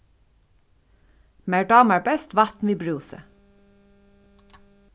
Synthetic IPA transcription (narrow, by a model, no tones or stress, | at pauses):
mæːɖɑːmæːbɛst̪ʋɑt̪n̩ʋɪbɹʉːsə̰